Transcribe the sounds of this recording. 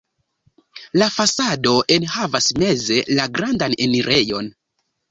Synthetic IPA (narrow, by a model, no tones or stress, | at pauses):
lafasado̞ʔenhavasme̞ze̞laɡɾandane̞niɾʔe̞jo̞n